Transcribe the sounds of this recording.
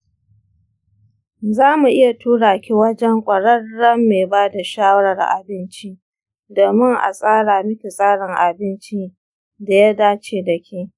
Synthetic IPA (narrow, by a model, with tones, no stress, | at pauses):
zaː˦mu˨ʔɪ˦ja˨tʰuː˦ɽaː˨kʲi˦wɐ˦d͡ʒɛ˦ŋkʷʼɐ˨ɽɐ˦rːɐ˦mːeː˨baː˦da˨ʃaː˦wɐ˦ɽɐ˨rʔa̰˨bɪ˦nt͡ʃi˦ | doː˨mɪ˦ŋʔa̰˨sʼaː˦ɽaː˨mɪ˦ɸʲi˨sʼaː˦ɽɪ˨ŋʔa˨bɪ˦nt͡ʃi˦ | da˨ja˦daː˦t͡ʃeː˨dɐ˨kʲiː˦